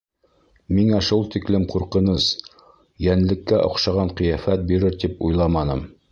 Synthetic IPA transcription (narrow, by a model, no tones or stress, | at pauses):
miŋæʃulˠt̪iklɘmquɾqɤ̆nɤs | jænlɘ̆kːæʔŏ̰qʃɑʁɑɴqɤ̆jæfæt̪̚biɾɘɾt̪ipujlˠɑmɑnɤm